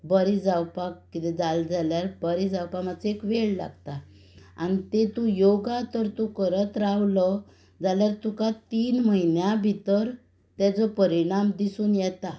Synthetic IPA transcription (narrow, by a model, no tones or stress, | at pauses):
bəɾid͡zawpakkit̪ɛd͡zald͡zaljaɾbəɾid͡zawpamat͡sekʋeɭla̰ɡt̪a | a̰ñit̪et̪ujoɡat̪əɾt̪ukəɾət̪ɾaʋlɔ | d͡zaljaɾt̪ukat̪iːnməɦinjãbʱit̪əɾ | t̪ad͡zɔpəɾiɽ̃amd̪isuːnjɛt̪a